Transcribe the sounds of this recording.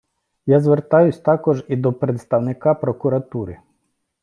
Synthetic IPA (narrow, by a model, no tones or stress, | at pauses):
jɑzʋert̪ɑjʊsʲt̪ɑkɔʒid̪ɔpɾet̪st̪ɐwnɪkɑpɾɔkuɾɐt̪uɾɪ